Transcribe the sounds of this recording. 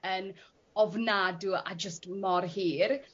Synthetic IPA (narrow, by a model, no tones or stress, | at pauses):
ən | ɔvnadua̰d͡ʒəstmɔrhiːr